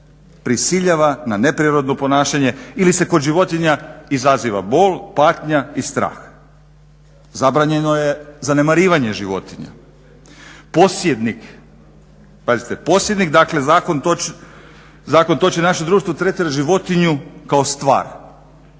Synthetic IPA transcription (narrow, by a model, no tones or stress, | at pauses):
pɾisiʎaʋananepɾiɾo̞d̪no̞po̞naːʃaɲe̞ilise̞ko̞d̪ʒiʋo̞t̪iɲaizaziʋa̰bo̞ːlpaːt̪ɲaist̪ɾa̰ːx | zabɾaɲe̞nojezane̞maɾiːʋaɲe̞ʒiʋo̞̰t̪iɲa̰ | posjed̪nik | pazit̪epo̞sjed̪nikd̪akle̞zakont̪o | zaːko̞nt̪o̞t͡ʃinaʃed̪ɾuːʃt̪ʋot̪ɾet̪iɾaʒiʋo̞t̪iɲukao̞st̪ʋa̰ːɾ